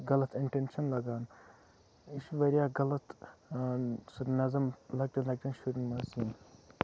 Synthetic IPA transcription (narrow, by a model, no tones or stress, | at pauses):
ɡɐlɐt̪ʰiɳʈenʃɐnlɐɡaːn | iʃʋɐɾijaːɡɐlɐt̪ | sɐnɐzɐmlɐɡ̚ʈɐnlɐɡ̚ʈɐnʃuɾinmɐsiːn